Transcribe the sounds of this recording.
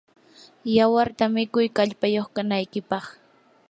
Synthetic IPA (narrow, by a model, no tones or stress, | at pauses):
jawaɾt̪amɪkʊjkaʎpajoχkanajkɪpɑχ